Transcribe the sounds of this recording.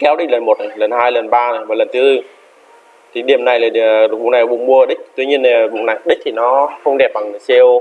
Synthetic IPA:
kɛ˨˦wɗi˦˥lə˨˩nmo˨˩t̚nə˨˩jlə˨˩nhaː˧jlə˨˩nɓaː˧ə˨˩jvaː˨˩lə˨˩nt̪ʰɨ˨˦zɨ˧˩ | t̪ʰi˨˩ɗi˨˩əmna˨˩jlaː˨˩˨ɓu˨ŋna˨˩ɔ˨˦ɓʊ̰˧˩ŋ͡mmu˧əə˨˩ɗi˦˥k̟̚t̪wi˧ɲi˧əne˨˩ɓʊ̰˨ŋ͡mna˨˩jɗi˦˥k̚t̪ʰi˨˩nɔ˨˦xə˧wŋ͡mɗɛ˨˩p̚ɓa˨˩ŋ˨˩se˧əw

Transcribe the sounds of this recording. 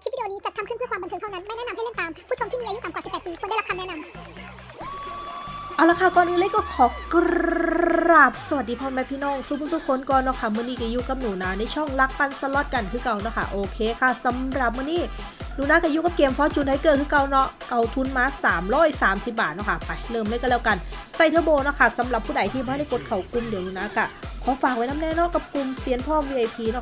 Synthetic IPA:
t̪ʰːwi˧i˧niː˦˥t͡ɕa˨˩t̪ʰa˧mkɯ˥˩npɯ˥˩˨kwaː˧ba˧nt̪ʰːŋt̪ʰwna˦˥nma˥˩jnɛ˦˥na˧ma˥˩jle˥˩mt̪aː˧mpʰuː˥˩t͡ɕʰo˧mt̪iː˥˩iː˧a˧ju˥saː˨˩wa˨˩si˨˩pːɛː˨˩t̚piː˧˩kʰɔ˧˩nda˥˩˨la˦˥kʰa˧nɛː˦˥na˧m | ʔa˧˨˩wla˧˥˩kʰa˥˩kɔː˧nʔɯː˧le˧˥˨kɔː˥˩kʰɔː˨˦k | ɾɾaː˨˩p̚sa˧wa˨˩t̪̚diː˧pʰɔː˧nma˦˥pʰiː˥˨nɔː˥˩ŋsu˧˩pʰsuː˧˥˩kʰo˧˥˨nkɔː˧nːɔ˧˥˩kʰa˥˩mɯ˧˥˨niː˧˩ka˧˩ju˧˥ka˨˩p̚nuː˨˩˦naː˧˩na˧˥˩t͡ɕʰɔ˥˩ŋla˦˥k̚pa˧nsa˧lɔ˦˥t̪̚ka˧˨nkʰɯː˦˥˨ka˧wnɔ˧˥˩kʰa̰˥˩ʔoː˧˩kʰeː˧kʰa˥˩sa˨˦mɾa˨˩p̚mɯ˧˥˨niː˥˩˨ | nuː˨˩˦naː˦˥ka˧˩juː˧˥ka˨˧p̚keː˧mpʰɔ˦˥t͡ɕu˨˧˩t̚ha˧˩jkɤː˨t̪̚kʰɯː˧˥ka˧wnɔ˦˥˩ʔka˧˩wt̪ʰu˧nmaː˧saː˩˦mɾɔː˧˥˩jsaː˩˦msi˨˩p̚baː˨˩t̪̚nɔ˧˩kʰa˧˩pa˧˩jlɤː˧˩mlɯː˧˥˨jka˧˩lɛː˧˩wka˧nsa˧˩jt̪ʰɯː˦˧˥boː˧nɔ˦˧˥kʰa˧˩sa˨˦mɾa˨˩pʰːuː˥˩da˨˦jt̪ʰiː˧˩bɔ˧˥˦da˥˩ko˨˦˥t̪̚kʰa˨˩wku˧˨mdi˨˦nuː˨˩˦naː˧˥ka˧˩kʰɔː˨˦faː˨˩k̚wa˧˩jna˦˧˥mnɛː˧˥˨nɔ˦˧˥ka˨˧˩p̚ku˧mpi˨˧˦ənpʰɔː˥˨mwiː˧ʔa˧jpʰiː˧nɔ˧˩

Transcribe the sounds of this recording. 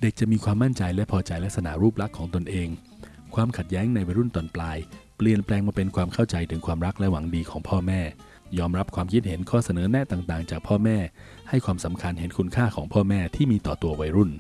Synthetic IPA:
de˨˩k̚t͡ɕa˨˩miː˧kʰwaː˧mːa˥˩nt͡ɕa˧jlɛ˦˥pʰɔː˧t͡ɕa˧jlk̚sa˧na̰˩˦ɾuː˥˩p̚la˦˥kʰːɔː˩˦ŋt̪o˧nʔeː˧ŋ | kʰwaː˧mkʰa˨˩t̪̚jɛː˦˥ŋna˧jwa˧jɾu˥˩nt̪ɔː˨˩nplaː˧jpli˨˩ənplɛː˧ŋmaː˧˩pe˧nkʰwaː˧mkʰa˥˩wt͡ɕa˧jt̪ʰɯ˩˦ŋkʰwaː˧mɾa˦˥k̚lɛ˦˥wa˩˦ŋdiː˧kʰɔː˩˦ŋpʰɔː˥˩mɛː˥˩ | jɔː˧mɾa˦˥p̚kʰwaː˧mkʰi˦˥t̪̚ɦe˩˦nkʰɔː˥˩sa˧nɤː˩˦nɛ˦˥t̪aː˨˩ŋt̪aː˨˩ŋt͡ɕaː˨˩k̚pʰɔː˥˩mɛː˥˩ | ha˥˩jkʰwaː˧msa˩˦mkʰa˧nɦe˩˦nkʰu˧nkʰaː˥˩kʰɔː˩˦ŋpʰɔː˥˩mɛː˥˩t̪ʰiː˥˩miː˧t̪ɔː˨˩t̪u˧ɐwa˧jɾu˥˩n

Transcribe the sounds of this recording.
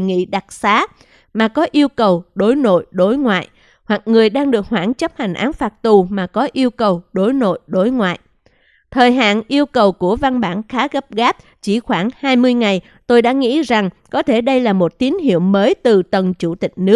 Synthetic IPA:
ŋḭ˧˥˨ɗa˨˩t̚saː˨˦ | maː˨˩kɔ˨˦ʔi˧əwkə˨˩wɗo˨˦jno̰˧˨jɗo˨˦jŋwa̰ː˧˨j | hwa˨˩k̚ŋɨ˨˩əjɗaː˧ŋɗɨ˨˩ək̚hwaː˧˩nt͡ɕə˦˥p̚ha˨˩ŋ̟ʔaː˨˦nfaː˨˩t̚t̪u˨˩maː˨˩kɔ˨˦ʔi˧əwkə˨˩wɗo˨˦jno̰˧˨jɗo˨˦jŋwa̰ː˧˨j | t̪ʰəː˨˩jɦa̰ː˧˨nʔi˧əwkə˨˩wku˧˩əva˧nɓaː˧˩nxaː˨˦ɣə˦˥p̚ɣaː˦˥p̚ | t͡ɕi˧˩xwaː˧˩ŋhaː˧jmɨ˧əjŋa˨˩j | t̪o˧jɗa̰ː˧˥ŋḭ˧˥za˨˩ŋkɔ˨˦t̪ʰe˧˩ɗə˧jlaː˨˩mo˨˩t̚t̪i˨˦nɦḭ˧˨əwməː˨˦jt̪ɨ˨˩t̪ə˨˩nt͡ɕu˧˩t̪ï˨˩k̟̚nɨ˦˥k̚

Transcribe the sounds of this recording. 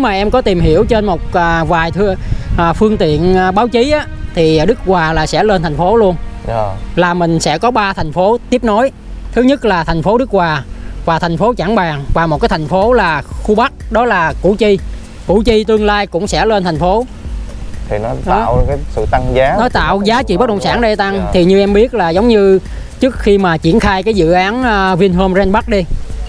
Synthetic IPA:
ne˨˦wmaː˨˩ʔɛ˧mkɔ˨˦t̪i˨˩mɦi˧˩əwt͡ɕe˧nmo˨˩t̚ʔəː˨˩vaː˨˩jt̪ʰʔəː˨˩fɨ˧əŋt̪ḭ˧˨ən˨˩ɓaː˨˦wt͡ɕi˨˦ʔaː˨˦t̪ʰi˨˩˨ɗɨ˦˥k̚kwaː˨˩laː˨˩sɛ̰˧˥le˧nt̪ʰjŋ̟fo˨˦lu˧ən˨˩ | laː˨˩mï˨˩ŋ̟sɛ̰˧˥kɔ˨˦ɓaː˧t̪ʰa˨˩ŋ̟fo˨˦t̪i˦˥p̚no˨˦j | t̪ʰɨ˨˦ɲə˦˥t̚laː˨˩t̪ʰa˨˩jŋ̟fo˨˦ɗɨ˦˥k̚waː˨˩vaː˨˩t̪ʰa˨˩ŋ̟fo˨˦t͡ɕaː˧˥˩ŋɓaː˨˩ŋvaː˨˩mo˨˩t̚kaː˨˦jt̪ʰŋ̟fo˨˦laː˨˩xu˧ɓa˦˥t̚ɗɔ˨˦laː˨˩kṵ˧˩˥t͡ɕi˧ | kṵ˧˩t͡ɕi˧t̪ɨ˧əŋlaː˧jkʊ̰˧˥ŋ͡msɛ̰˧˥le˧nt̪ʰŋ̟fo˨˦ | t̪ʰi˨˩nɔ˨˦ɗɔ̰˨˦˧wkaː˨˦sɨ̰˧˨t̪a˧ŋzaː˨˦nɔ˨˦jt̪a̰ː˧˨wzaː˨˦t͡ɕḭ˧˨ɓə˦˥t̚kə̰˧˨ŋ͡msaː˧˩nɗe˧t̪a˧ŋt̪ʰi˨˩ɲɨ˧ʔɛ˧mɓi˦˥ət̚laː˨˩zə˨˦wŋ͡mɲɨ˧ | t͡ɕɨ˦˥ək̚xi˧maː˨˩t͡ɕi˧˩ənxaː˧jkaː˨˦jzɨ̰˧˨ʔaː˨˦nʔvi˧ənɦəː˧mzɛ˧nɓa˦˥k̚ɗi˧

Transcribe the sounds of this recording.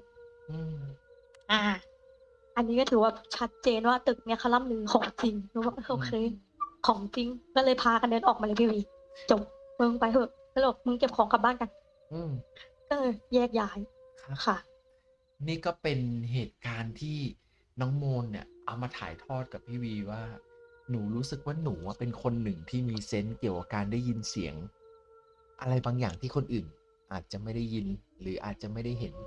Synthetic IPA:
ʔɯː˧m | ʔaː˧˩ | ʔa˧nːiː˦˥kɔː˥˩t̪ʰɯː˨˩˦waː˥˩t͡ɕʰa˦˥t̪̚t͡ɕeː˧nwaː˥˩t̪ɯ˨˩k̚ŋi˦˥ɐkʰa˧˩wla˧˥˨mnɯː˨˦kʰɔː˩˦ŋt͡ɕi˧ŋlɯ˧˦waː˥˩kɔ˥˩kʰa˧˩˧xʰɤː˧j | kʰɔː˩˦ŋt͡ɕi˧ŋkɔː˥˩lɤː˧jpʰaː˧ka˧ndɤː˧nʔɔː˨˩k̚maː˧lːpʰiː˥˩wiː˧˩ | t͡ɕo˨˩p̚mɯ˧ŋpa˧jɦɤ˧˩ | kːbɔ˨˩mɯ˧ŋke˨˩p̚kʰɔː˩˦ŋka˨˩p̚baː˥˩nka˧n | ʔɯː˧m | kɔː˥˩lɤː˧jjɛː˥˩k̚jaː˨˦j | kʰkʰa˧˥˩ | niː˥˩kɔː˥˩pe˧nɦeː˨˩t̪̚kaː˧nt̪ʰiː˥˩ | nɔː˦˥ŋmoː˧nːi˨˧˩əʔa˧wmaː˧t̪ʰa̰ː˩˦jt̪ʰɔː˥˩t̪̚ka˨˩p̚p̪ʰiː˥˩wiː˧waː˥˩nuː˩˦ɾuː˦˥sɯ˨˩k̚waː˥˩nuː˩˦a˥˩pe˧nkʰo˧nːɯ˨˩ŋt̪ʰiː˥˩miː˧se˦˥nki˨˩əwka˨˩kaː˧ndaː˥˩ji˧nsi˩˦əŋ | ʔa˧ɾa˧jbaː˧ŋjaː˨˩ŋt̪ʰiː˥˩kʰo˧nʔɯː˨˩n | ʔaː˨˩t̪̚t͡ɕa˨˩ma˥˩jda˥˩jːi˧nɾɯː˩˦ʔaː˨˩t̪̚t͡ɕa˨˩ma˥˩jda˥˩jɦe˩˦n

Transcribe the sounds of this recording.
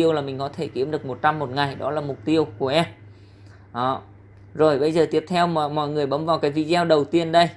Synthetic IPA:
i˧əwlaː˨˩mï˨˩ŋ̟kɔ˨˦t̪ʰe˧˩ki˨˦əmɗɨ˨˩ək̚mo˨˩t̚t͡ɕa˧mːo˨˩t̚ŋa˨˩jɗɔ˨˦laː˨˩mʊ˨˩k͡p̚t̪i˧əwku˧˩əʔɛ˧m | ʔəː˨˩ | zo˨˩jɓə˧jzəː˨˩i˦˥əp̚t̪ʰɛ˧wmɔ̰˧˨jŋɨ˨˩əjɓə˨˦mvaː˨˩wkaː˨˦jvi˧zɛ˧wɗə˨˩wt̪i˧ənɗə˧j

